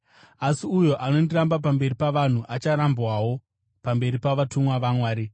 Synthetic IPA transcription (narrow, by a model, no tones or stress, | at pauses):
asiujo̞ʔano̞ndirambap̬ambe̞ɾipaʋan̤uʔat͡ʃaɾambwawo̞ | pambe̞ɾipaʋatʰumwaʋamwaːɾi